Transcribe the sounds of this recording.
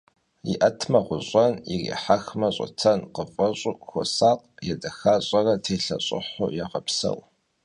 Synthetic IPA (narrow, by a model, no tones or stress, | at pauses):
jḭʔɐtʰmɐʁʷʊɕʼɔnḭrḭːħaxmɐɕʼɔ̰t͡sʰɐnqəfʼɐɕʼʊkxʷɔsaːqjɛdɐxaːɕʼɐrɐtʰeːɬɐ̰ɕʼɪ̰ħo̰jɛʁɐpsɐ̰w